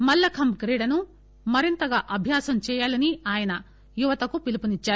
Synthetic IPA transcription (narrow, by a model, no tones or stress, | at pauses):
mɐlːɐkʰɐmkɾiːɽɐnu | mɐɾint̪ɐɡaːʔɐbʱjaːsɐmt͡ʃɛːjaːlɐniaːjɐnɐ | juʋɐt̪ɐkupilipunit͡ʃːaːɾu